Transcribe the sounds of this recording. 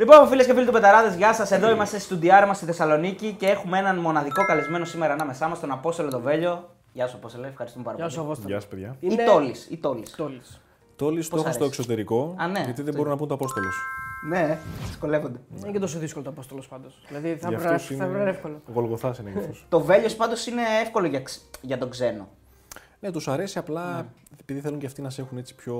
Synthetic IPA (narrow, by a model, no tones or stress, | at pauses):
lipomfilescefilit̪ube̞t̪ɐɾɐðezʝɐsɐse̞ðo̞imɐst̪e̞st̪ud̪iɐɾmɐst̪iθe̞sɐlo̞nicice̞e̞xumee̞nɐnmo̞nɐðiko̞kɐlizme̞nosime̞ɾɐːnɐme̞sɐmɐst̪o̞nɐpo̞st̪o̞lo̞t̪o̞ve̞ʎo̞ | ʝɐsɐpost̪oloefxɐɾist̪umpɐɾɐssʝɐspeðʝɐit̪olisit̪o̞liss | t̪o̞list̪oexost̪oekso̞t̪e̞ɾiko̞ɐneʝɐt̪iðebo̞ɾunɐpunt̪oɐpo̞st̪o̞losu̥neði̥sko̞le̞vond̪enet̪os̬oðiskolot̪oɐpost̪olospɐnd̪osilɐðiθɐɐɾsiɐefkoloɣo̞lɣo̞θɐsineɣɾft̪ost̪o̞ve̞ʎospɐnd̪o̞sine̞efko̞loʝɐkʝɐt̪o̞ɡze̞no̰ | ne̞t̪usɐɾe̞siɐplɐ | epiðiθeluɲceɐft̪inɐs̬e̞xune̞t͡si̥pço̞